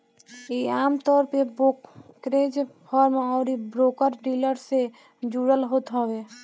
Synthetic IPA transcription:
eaːmt̪ɔːɾpebokːɾeːd͡ʒpʰɔɾmɔːɾibɾoːkəɾɖiːləɾse | d͡ʒuːɾəlɦoːt̪ɦɔwe

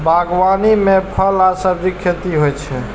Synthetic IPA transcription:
bʱaɡwanimepʰəlasəbikʰjət̪iɦojt͡ʃʰɛ

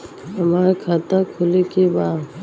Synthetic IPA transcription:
ɦəmaːɾkʰaːt̪akʰʊlikibaː

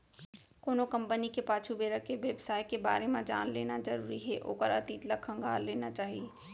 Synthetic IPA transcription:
koːnokɐ̃mpənikepaːt͡ʃʰubeːɾəkeʋjəbsaːjkeba̰ːɾemãd͡ʒa̰ːnlḛːnazɐɾuːɾiɦɛʔo̰ːkəɾɐ̰t̪iːt̪ləkʰə̃ŋɡʱaːɾleːnat͡ʃaːɦie

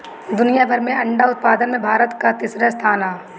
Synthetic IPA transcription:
d̪ʊnijabʱɐɾmẽɐ̃ɳɖaʊt̪̚paːd̪ənmẽbʱaːɾət̪kat̪iːsɾast̪ʰaːnaː

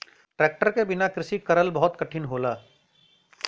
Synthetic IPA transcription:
ʈɾɛːk̚ʈəɾkebɪnakɾɪsikɐɾəlbɐɦʊt̪kɐʈʰɪnɦoːlaː

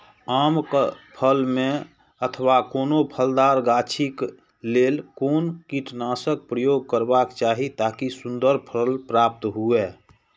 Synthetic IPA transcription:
aːmkpʰəlmẽ | ət̪ʰwakoːnopʰəld̪aːɾɡaːt͡ʃʰik | leːlkoːnkiʈnaːsək̚pɾəjoːɡ̚kəɾbakt͡ʃaːɦit̪aːkisʊ̃nd̪əɾpʰəlpɾaːp̚t̪ɦue

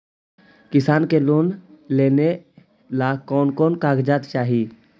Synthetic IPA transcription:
kɪsaːnkeloːnleːne | laːkɔːnkɔːnkaːɡd͡ʒaːt̪t͡ʃaːɦi

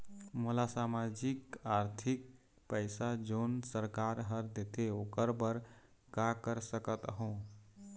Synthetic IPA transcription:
molasamad͡ʒikaɾt̪ʰik̚ | pəɪsad͡ʒonsəɾkaɾɦəɾd̪et̪eokəɾbəɾ | kakəɾsəkət̪ɦõ

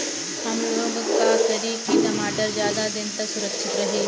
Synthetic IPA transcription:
hɐmloːɡkaːkəɾiːkik̪ɐmaːʈəɾzjaːd̪ad̪ɪnt̪ɐksʊɾəkʃɪt̪ɾɐɦeː

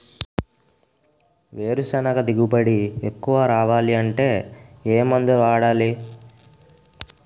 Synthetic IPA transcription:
ʋe̞ːɾusɛnɐɡɐd̪iɡubɐɽiekːuʋɐɾaːʋaːliɐɳʈe̞ːeːmɐnd̪uaːɽaːli

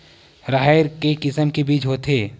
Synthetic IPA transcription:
ɾaɦɾkekɪsəmkebiːt͡ʃɦoːt̪eː

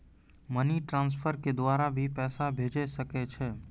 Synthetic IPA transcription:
məniʈɾãːns̬pʰəɾked̪waːɾabʱipɛːsabʱeːd͡ʒesəket͡ʃʰɛː

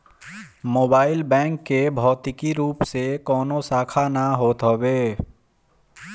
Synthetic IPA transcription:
moːbaːɪlbɛ̃ːŋkːebʱɔːt̪ɪkiɾuːpsekɔːnosaːkʰanaɦoːt̪ɦobeː

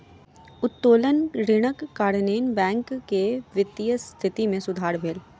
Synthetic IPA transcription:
ʊt̪ːoːlənɾɪɽ̃əkːaːɾneːnbɛ̃ːŋkːeʋɪt̪ijəst̪ʰɪt̪imẽsʊd̪ʱaːɾbʱeːl

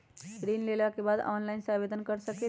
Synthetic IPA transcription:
skɾinlelakebad̪ɔ̰nlainsaʋed̪ʱənkəɾsəke

